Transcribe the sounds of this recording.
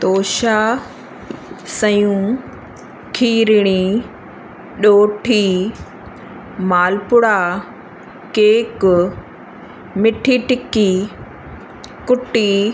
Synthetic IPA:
t̪oːʃa | sɐjũ | kʰiːɾɪɽ̃i | ɗoːʈʰiː | maːlpʊɽa | keːkʊ | mɪʈʰiʈɪki | kʊʈːi

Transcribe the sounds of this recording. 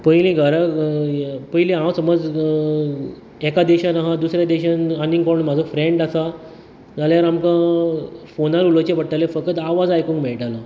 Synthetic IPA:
pəjlĩɡʱəɾa | pəjlĩɦãwsəməd͡z | ɛkad̪eɕanaɦad̪usɾjad̪eɕananiŋɡpɔɾɳm̤ad͡zʱofɾeɳɖasa | d͡zaljaɾamkã | fonaɾulət͡ɕepəɽ̚ʈ̪alefəkət̪aʋad͡zajkũŋkmɛɭʈalə

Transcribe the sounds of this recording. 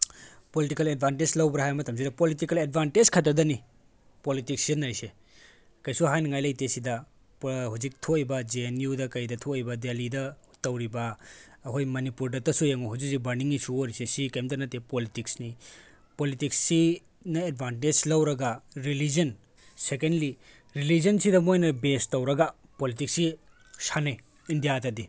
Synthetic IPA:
politikɐled̚bʱanted͡ʒlɐwbɾɐɦajmɐtʰɐms̬idɐpolitikɐled̚banted͡ʒkʰɐtːɐdɐni | politik̚sidɐnajse | kɐjsuɦajnɐŋajlɐjtesidɐ | phuzik̚tʰojbɐd͡ʒienijudɐkɐjdɐtʰojbɐdelidɐtɐwɾibɐː | ɦojmɐnipuɾdɐtɐsujɐŋoɦud͡ʒiksibɐɾniŋisuoɾisesikɐjmtɐnɐtːepolitiksni | politiksːi | nɐed̚bʱanted͡ʒlɐwɾɐɡɐɾilid͡ʒɐn | sekendli | ɾilid͡ʒɐnsidɐmojnɐbestɐwɾɐɡɐ | politiksi | sanej | indijatɐdi

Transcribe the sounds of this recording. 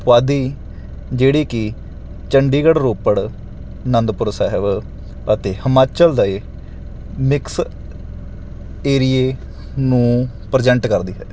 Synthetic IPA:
ʋaːd̪iː | d͡ʒeːɽiːkɪ | t͡ʃəɳɖiːɡəɽɾoːpəɽ | nənd̪pʊɾsɛːɦɪb | ət̪eːhəmaːt͡ʃəld̪aeː | mɪks | eːɾijeː | nũː | pɾəd͡ʒɛ̃ɳʈkəɾd̪iːɦɛː

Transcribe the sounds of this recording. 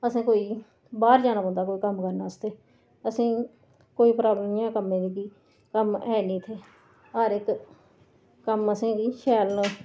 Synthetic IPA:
əsĩːkoːiː | baːɾd͡ʒaːnaːbə̃nd̪aːkoːiːkəmkəɾnaːəst̪eː | əsĩː | koːiːpɾaːblɪjãːkəmẽːd̪iːkiː | kəmɛːnĩːt̪ʰeː | əɾɪk | kəməsĩːɡiːʃɛːlnãː

